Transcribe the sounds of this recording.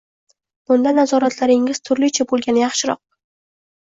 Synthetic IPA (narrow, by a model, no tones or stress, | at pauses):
b̥ʊnd̪anazɒɾat̪ʰlaɾɪŋɪz̥t̪ʰʊɾlɪt͡ʃʰabolˠɡʲanɪjɑχʃɪɾɒ̰q̚